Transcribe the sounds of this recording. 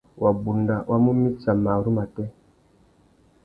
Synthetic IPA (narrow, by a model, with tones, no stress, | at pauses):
wʔa˨bu˨nda˨wʔa˦mu˦mi˦sa˨ma˨ɾu˦ma˨tɛ˦